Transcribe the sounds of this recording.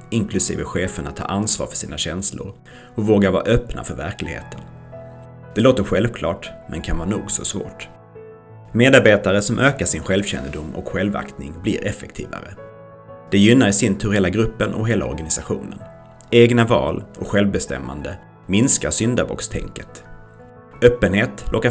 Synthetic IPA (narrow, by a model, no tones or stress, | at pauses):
ɪŋkʰlɵsḭːvəɧeːfəɳat̪ʰːɑ̰ːʔansvɑ̰ːɾfœ̥ʂiːnaɕɛnslʊ̰ɾ | ɔkvoːɡaɾvɑːɾaʔœpna̰fœɾvæɾklɪɡhḛːt̪ʰən | d̪̥ɛloːt̪əɾɧɛlvkʰlɑːʈmʔɛ̰nkʰanvɑːnuːɡsɔsvo̰ːʈ | meːd̪aɾbeːt̪aɾəsɔmʔøːkaʂɪnɧɛlvɕɛ̰nːəd̪ʊmːɔ̰kɧɛlva̰kt̪nɪŋblɪɾʔɛfːɛk̚t̪ʰḭːva̰ɾə | d̪̥ɛjʏnːaɾsɪnt̪ʰɵɾɛlːaɡɾɵpːənʔɔ̰kɦeːla̰ɔ̰ɾɡanɪsaɧṵːnən | eːɡnavɑ̰ːlɔkɧɛlvbɛst̪ɛ̰mːa̰nd̪ə | mɪnskaɾsʏnd̪abɔ̰kst̪ʰɛ̰ŋkət̪ | œpːənɦeːt̪lʔɔkːa